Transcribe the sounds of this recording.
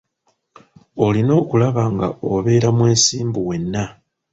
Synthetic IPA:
o̞lino̞ːkulaβaːŋɡa̰oβe̞ːɾamwe̞ːsiːmbuwe̞nːa

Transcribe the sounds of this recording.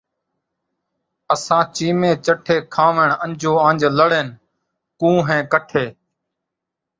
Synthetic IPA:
əsãːt͡ʃiːmẽːt͡ʃəʈʰeːkʰãːʋeɳənd͡ʒʱoːãːnd͡ʒləɽeːn | kũːɦẽːkəʈʰeː

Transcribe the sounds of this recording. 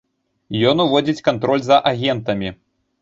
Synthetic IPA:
jɔnuvɔd͡zʲit͡sʲkant̪ɾɔlʲzɐʔaɣʲɛnt̪ɐmʲi

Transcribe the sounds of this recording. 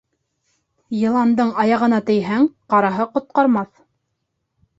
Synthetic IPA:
jɤ̆lˠɑnd̪ɤɴɑjɑʁɤ̆nɑt̪ɘ̆jɦæŋqɑɾɑɦɤqŏt̪̚qɑɾmɑθ

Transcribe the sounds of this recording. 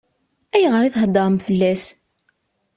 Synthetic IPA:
æjʁəɾiθɦəd̪ˤːɑɾˤmfəlːæs

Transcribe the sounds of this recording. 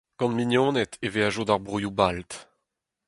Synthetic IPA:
ɡ̥ɑ̃nmiɲjɔ̃ːnɛt̪eveaʒod̪aʁbʁujubalt̪

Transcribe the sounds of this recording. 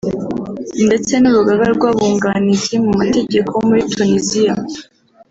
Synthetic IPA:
nde̞t͡se̞nuɾuɡaɡaɾɡwaːβuːŋɡanizimumate̞ɟe̞kʰo̞womuɾitʰunizija

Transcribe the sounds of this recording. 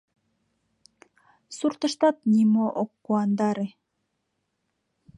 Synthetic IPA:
suɾt̪ɤ̆ʃt̪ɑt̪̚nʲimoʔokːuɑnd̪ɑɾi

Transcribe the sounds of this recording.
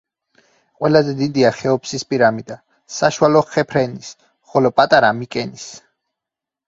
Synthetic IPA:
qʼwɛlazɛd̪id̪iaχɛɔpʰsispʼiɾamid̪a | saʃualɔχɛpʰɾɛnis | χɔlɔpʼat̪ʼaɾamikʼɛnis

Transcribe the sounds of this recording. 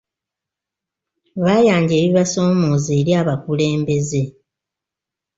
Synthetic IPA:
βaːjaːɲɟe̞ːβiβaso̞ːmoːzeːɾjaːβakule̞ːmbe̞ze̞

